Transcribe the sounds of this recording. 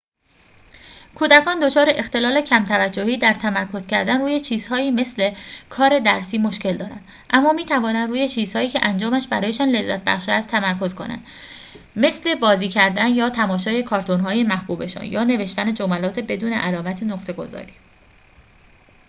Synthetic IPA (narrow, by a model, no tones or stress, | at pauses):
kʰuːd̪ækʰɒːnd̪o̞t͡ʃʰɒːɾeʔext̪e̞lɒːlecʰæmt̪ʰævæd͡ʒːo̞hiːd̪æɾt̪ʰæmæɾkʰo̞z̥cʲʰæɾd̪ænruːje̞t͡ʃʰiːz̥hɒːiːme̞sle̞kʰɒːɾe̞d̪æɾsiːmo̞ʃce̞ld̪ɒːɾæ̰nd̪ | ʔæmːɒːmiːt̪ʰævɒːnænd̪ɾuːje̞t͡ʃʰiːz̥hɒːiːcʰeʔænd͡ʒɒːmæʃbæ̰ɾɒːje̞ʃɒːnle̞zːæ̰t̪̚ʰbæ̰xʃeæst̪ʰːæmæɾkʰo̞zkʰo̞̰næ̰nd̪̥ | me̞sle̞bɒːziːcʰæɾd̪ænjɒːt̪ʰæmɒːʃɒːje̞kʰɒːɾt̪ʰonɦɒːjemæhb̥uːbe̞ʃɒ̰ːnjɒːne̞ve̞ʃt̪æned͡ʒomælɒːt̪ʰebe̞d̪uːne̞̰ʔælɒːmæt̪ʰenoxt̪ʰe̞ɡo̞̰zɒ̰ːɾiː